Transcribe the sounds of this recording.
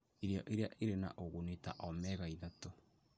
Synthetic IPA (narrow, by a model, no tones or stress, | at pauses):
eɾeaʔeɾeaʔeɾena̰ʔoɣoneta̰ʔɔmɛɣaiðato